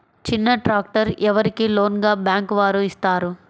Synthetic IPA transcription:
t͡ʃinːɐʈɾaːk̚ʈɐɾɛʋɐɾikiloːnɡaːbjaːŋkʋaːɾuist̪aːɾu

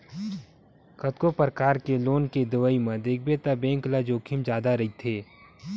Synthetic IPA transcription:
kɐt̪kopəɾkaːɾkeloːnked̪ɪʋəimɐ̃d̪ɪk̚bet̪abẽːŋklad͡ʒoːkʰɪmd͡ʒjaːd̪aɾɐɦit̪ʰeː

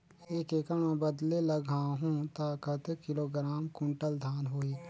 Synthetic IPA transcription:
eːkeːkəmãbəd̪leləɡʱãːɦũːt̪aːkət̪kɪloːɡɾaːmkʊ̃ɳʈəld̪ʱaːnɦoːiː

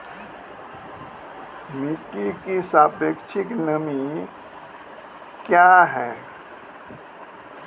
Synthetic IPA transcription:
miʈikisaːpeːkʃɪknəmi | kjaːɦɛː

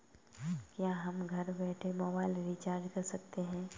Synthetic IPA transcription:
kjaːɦɐmɡʱɐɾbɛːʈʰemɔbaːɪlɾit͡ʃaːɾd͡ʒkɐɾsɐkt̪eɦɛ̃ː

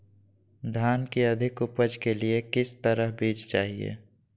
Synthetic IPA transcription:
d̪ʱjaːnkiɐd̪ʱɪkʊpəd͡ʒkeliekɪst̪əɾəɦbiːd͡ʒt͡ʃaːɦiḛː

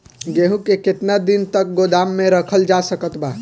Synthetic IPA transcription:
ɡeɦũkeket̪nad̪int̪ək̚ɡod̪amːeɾəkʰəld͡ʒasəkət̪ba

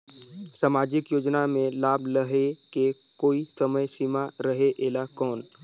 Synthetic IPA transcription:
saːmaːd͡ʒɪkjoːd͡ʒnamẽlaːbləɦeke | koːisəməjsimaɾəɦeʔeːlakɔːn

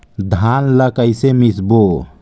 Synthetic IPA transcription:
d̪ʱanləkəjsemisbo

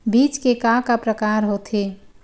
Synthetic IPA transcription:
bit͡ʃkekakapɾəkaɾɦot̪ʰi

